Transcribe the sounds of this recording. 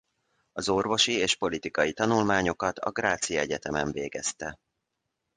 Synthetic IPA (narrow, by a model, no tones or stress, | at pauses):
ɒzo̞rvo̞ʃieːʃpo̞lit̪ikɒjit̪ɒnulmaːɲo̞kɒt̪ʰɒ̰ɡraːt̪sijɒɛɟɛt̪ɛmɛɱveːɡɛst̪ɛ